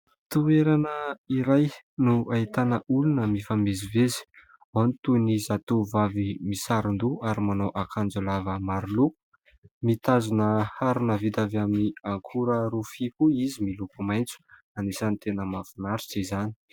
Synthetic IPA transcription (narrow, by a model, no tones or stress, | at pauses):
t̪ueɾanəiɾaj | nuait̪anəʔulunəmifamezivezi̥ | anit̪unizat̪uvavimisaɾind̪uaɾimanowʔakʰand͡zulavəmaɾuluu̥ | mit̪azunəhaɾunəvid̪avaminiaŋkʰuɾəɾufikuizimilupumajnt͡su̥ | anisanit̪enəmavunaɾiz̥ezani̥